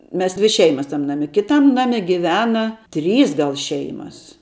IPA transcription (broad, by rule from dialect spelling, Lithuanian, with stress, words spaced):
ˈmʲɛs ˈdʲʋʲɪ ˈʃʲɛɪmɐs tɐm ˈnɑːmʲɪ ˈkʲɪtɐm ˈnɑːmʲɪ ɡʲɪˈʋʲæːnɐ ˈtʲrʲiːs ˈɡɐlˠ ˈʃʲɛɪmɐs